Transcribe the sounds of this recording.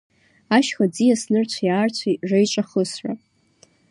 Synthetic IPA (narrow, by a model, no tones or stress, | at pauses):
aʃχad͡zijasnɨrt͡ɕʷʰajaːrt͡ɕʷʰarejt͡ʃʷʼaχəsʕʷa̰